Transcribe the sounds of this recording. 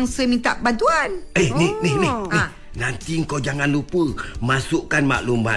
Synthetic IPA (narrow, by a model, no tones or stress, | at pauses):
ŋsəmĩnt̪aʔbant̪uanehnehnehnine | nant̪iŋ̩kowd͡ʒaŋanlupəmasuʔkanma̰ʔluma̰